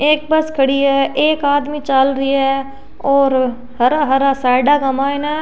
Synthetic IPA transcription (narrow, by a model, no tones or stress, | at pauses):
eːk̚bəskʰɐɽiɛːʔeːkaːd̪mit͡ʃəlɾiɛː | ɔːɾ | hɐɾaɦɐɾasaːɪɖakɐmaːɛna